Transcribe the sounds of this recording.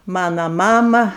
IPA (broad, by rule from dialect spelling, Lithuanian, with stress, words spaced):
ˈmɑːnoː ˈmɑːmɐ